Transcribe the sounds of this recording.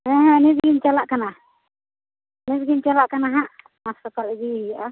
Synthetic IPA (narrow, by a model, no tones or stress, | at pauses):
ɛ̃ɦɛ̃nizɡint͡ʃalaʔkana | nisɡint͡ʃalaʔkanaɦaʔ | masɔkalɛɡiijaʔa